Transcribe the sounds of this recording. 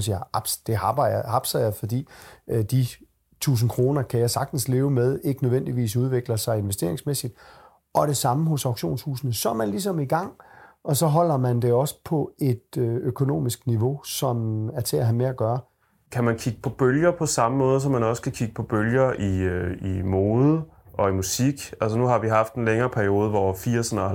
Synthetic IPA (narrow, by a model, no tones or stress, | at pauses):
siaɑb̥sd̥e̝hɑ̈b̥ɐhɑ̈b̥sɐjafɒ̽d̥ḭːd̥i | t͡sʰṵːs̬n̩kʰʁo̝ːnɐkʰæjɑ̈sɑ̈ɡ̥̚d̥n̩sle̝ːʊəmeð̞ˠe̝ɡ̥ənøʋen̰d̥iʋḭːs̬uð̞ˠʋe̝ɡ̥ləsɑ̈ɪe̝nʋesd̥e̝̰ɐe̝ŋsmesid̥ | ʔɒ̽ɾ̥e̝sɑ̈məɦɔ̽sɑ̈ʊɡ̥ɕo̝̰ːnshṵːsnəsɒɐmænlis̬ɒ̽miɡ̥ɑ̈ŋ̰ɒ̽sɒ̽ɦɒ̽l̰ɐmænd̥e̝ɒ̽sə̥pʰɒ̽e̝d̥øøkʰo̝no̝̰ːmisɡ̥niʋo̝sɒ̽mæɐt͡sʰe̝æɦæmeæɡ̥ɶːɐ | kʰæmænkʰiɡ̥əpʰɒ̽b̥øljɐpʰɒ̽sɑ̈məmɔ̽ːð̞̩ˠs̬ɒ̽mːænɒ̽skʰækʰiɡ̥əpʰɒ̽b̥øljɐʔiimo̝ːðˠə | ʔɒ̽imusiɡ̥ælsənuhɑ̈ʋiɦɑ̈fd̥enleŋɐːpʰæɐio̝ːð̞ˠəʋɒɐfiɐsənɐ